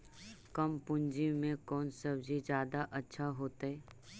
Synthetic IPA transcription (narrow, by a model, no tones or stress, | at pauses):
kɐmpʊ̃nd͡ʒimẽkɔːnsəbd͡ʒid͡ʒjaːd̪aʔɐtːʃʰaɦoːt̪aɦɛː